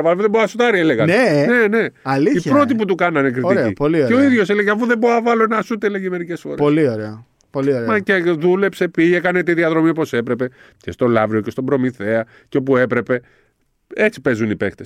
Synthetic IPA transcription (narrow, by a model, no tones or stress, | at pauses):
vɐlouðeboɐsut̪ɐɾieleɣɐnene̞ne̞ɐliipɾo̞t̪ip̬ut̪̬ukɐnɐnekɾiieḭpolieo̞iðʝo̞seleʝeɐfuðeboɐvɐlonɐsut̪ele̞ʝeme̞ɾice̞sfo̞ɾolioɾeo | polioɾemɐceðule̞pse̞piʝekɐnet̪iðiɐðɾo̞miopo̞se̞pɾe̞pe̞ | ce̞st̪o̞lɐvɾio̞ce̞st̪o̞bɾo̞miθe̞ɐ | ceo̞pue̞pɾe̞pe̞ | e̞t͡si̥pe̞zunipe̞kt̪es